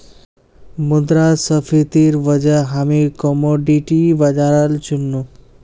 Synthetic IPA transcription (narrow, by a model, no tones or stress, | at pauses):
mud̪ɾasəfʰit̪iɾʋəd͡ʒaɦamikɔmoɖiʈiʋad͡ʒaɾəlt͡ʃunːu